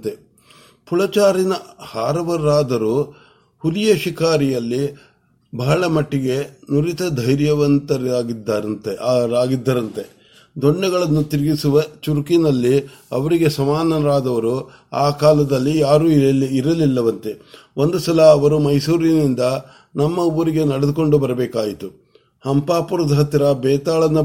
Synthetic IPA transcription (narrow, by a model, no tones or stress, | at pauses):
t̪e | puɭɐt͡ʃaːɾinɐhaːɾɐʋɐɾːaːd̪ɐɾu | hulijɐʃikaːɾijɐlːi | bɐɦɐɭɐmɐʈːiɡe̞nuɾit̪ɐd̪ʱɐjɾjɐʋɐnt̪ɐaːɡid̪ːaɐnt̪eɾaːɡid̪ːɐɾɐnt̪e̞ | d̪ɔɳːɐɡɐɭɐnːut̪iɾiɡisuʋɐt͡ʃuɾkinɐlːiɐʋɐɾiɡe̞sɐmaːnɐɾaːd̪ɐʋɐɾu | aːkaːlɐd̪ɐlːijaːɾuːiɾɐlilːɐʋɐnt̪e̞o̞nd̪usɐlɐːʋɐɾumɐjsuːɾinind̪ɐ | nɐmːɐuːɾiɡe̞nɐɽed̪uko̞ɳɖubɐɾɐbɛːkaːjit̪u | hɐmpaːpuɾɐd̪ʱɦɐt̪ɾɐbɛːt̪aːɭɐnːu